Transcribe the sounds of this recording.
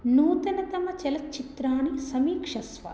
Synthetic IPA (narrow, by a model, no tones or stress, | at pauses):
nuːt̪ɐnɐt̪ɐmɐt͡ʃɛlɐt͡ʃːit̪ɾaːnisɐmiːkʂɐsʋɐ̰